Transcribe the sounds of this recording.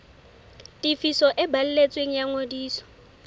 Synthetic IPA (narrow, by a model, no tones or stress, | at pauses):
tʼifisɔʔɪbal̩let͡sʼweŋ̩jaŋodiːsɔ̥